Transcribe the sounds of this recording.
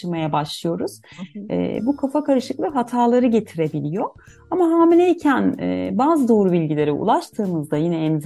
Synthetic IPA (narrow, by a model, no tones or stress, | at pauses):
ɯmajabaʃlˠɯjo̞ɾuz̥ɛ̰bukʰafakaɾɯʃɯklˠɯɦat̪ʰaːlˠaɾɯɟe̞t̪ʰiɾe̞bilʲijo̞ | amaɦaːmilʲejicʰænɛ̰baːzɯd̪o̞ːɾubilʲɟilʲe̞ɾɛṵlˠaʃt̪ʰɯːmɯzd̪ajinɛːnz